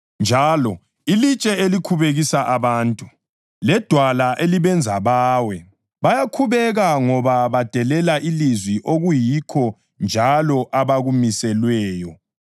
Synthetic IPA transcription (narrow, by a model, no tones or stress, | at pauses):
nd͡ʒʱaːlɔ | ilit͡ʃʼɛelikʰuβeɣisaʔaβaːntʼu | lɛd̥ʱwalaʔeliβɛnd͡zʱaβaːwɛ | βajakʰuβɛɣaŋɔβaβad̥ʱɛlɛlaʔilizwiʔoɣujikʰɔ | nd͡ʒʱalɔʔaβaɣumisɛlwɛːjɔ